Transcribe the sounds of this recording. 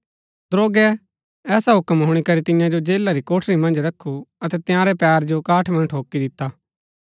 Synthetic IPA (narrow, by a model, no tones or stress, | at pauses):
d̪ɾoːɡɛ | ɛːsaɦʊkəmɦʊɽ̃ikɐɾit̪ɪjãd͡ʒod͡ʒeːlːaɾikoːʈʰɾimɐ̃nd͡ʒɾɐkʰːuɐt̪ɛt̪jãːɾɛpɛːɾd͡ʒokaːʈʰmɐ̃nʈʰɦoːkːid̪ɪt̪ːaː